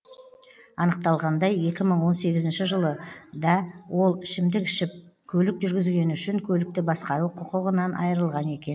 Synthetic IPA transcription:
ɑnəq̚t̪ɑlˠʁɑnd̪ɑje̞kʲɪməɴwo̞nse̞ɡʲɪzɪnʃɪʒəlˠəd̪ɑwo̞lˠɪʃɪmd̪ɪkɪʃɪp̚ | kʲʰɵlɪkʒʏɾɡʲɪzɡʲe̞nʏʃɪŋkʲʰɵlɪk̚t̪ɪbɑsqɑɾuqʰʊqʊʁənɑnʔɑ̰jəɾəlˠʁɑne̞kʲe̞n

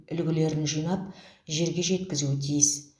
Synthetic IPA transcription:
ʏlɡʲɪle̞ɾɪnʒijnɑp̚ʒe̞ɾɡʲe̞ʒe̞t̪kʲɪzuɪt̪ʰijɪs

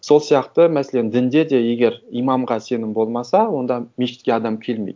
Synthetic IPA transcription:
so̞lˠsijɑqt̪əmæselend̪ɪnd̪e̞d̪e̞je̞ɡʲe̞ɾijmɑmʁɑse̞nɪmbo̞lˠmɑsɑwo̞nd̪ɑmeʃɪt̪kʲeɑd̪ɑmkʲʰe̞lmejd̪

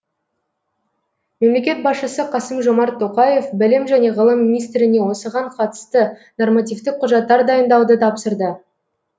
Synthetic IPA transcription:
me̞mle̞kʲe̞t̪̚bɑsʃəsəqʰɑsəmʒo̞mɑɾt̪ʰːo̞qɑje̞fbɪlɪmʒæne̞ʁəlˠəmːinijst̪ɾɪne̞wo̞səʁɑɴqʰɑt̪ə̥st̪əno̞rmat̪ʲijvt̪ɪk̚qʰːʊʒɑt̪ːɑɾd̪ɑjənd̪ɑwd̪ət̪ʰɑpsəɾd̪ə

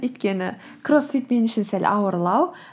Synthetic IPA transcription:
ɵjt̪kʲenɪ | kʰrosfit̪menɪʃɪnsæl̰ʲɑwəɾlˠɑw

